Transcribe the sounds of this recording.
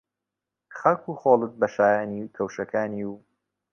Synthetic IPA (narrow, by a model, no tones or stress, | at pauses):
xɐlkuːxoːlˠɨt̪̚bɐʃaːjaːnikʰɐwʃɐkʰaːniːw